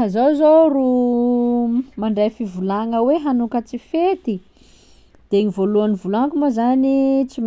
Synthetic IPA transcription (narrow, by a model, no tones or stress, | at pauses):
azozoru | maɳɖ͡ʐajfivulaŋəweɦanukət͡sifet̪i | d̪̥eŋivoluanivulaŋkumazanit͡sim